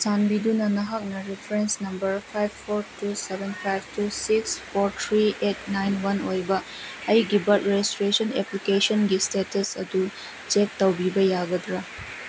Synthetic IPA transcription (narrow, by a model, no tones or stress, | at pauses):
sanbidunɐnɐɦak̚nɐɾipʰɐɾensnɐmbɐɾpʰajbːʰoɾtusebenpʰajb̚tusikspʰoɾtʰɾiet̚najnwɐnojbɐ | ɐjɡibɐt̚ɾeistɾesɐneplikesonɡistetɐsɐdu | t͡ʃek̚tɐwbibɐjaɡɐdɾa